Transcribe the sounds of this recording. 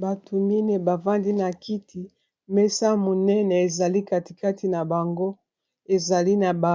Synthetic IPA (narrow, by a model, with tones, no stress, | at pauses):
ba˨tʰo˨ni˦ne˨ba˨va˦ndi˦na˨ki˦tʰi˨ | mɛ˦sa˦mo˨nɛ˦ne˨e˨za˨li˦ka˨ti̥˨ka˦ti˨na˨ba˨ŋɡo˦ | e˨za˨li˦na˨ba˨